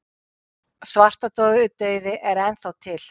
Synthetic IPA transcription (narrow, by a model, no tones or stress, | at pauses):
svar̥t̪at̪ɔːɣʏʏt̪œːɥðɪʔɛɾɛnθawt̪ʰɪl̥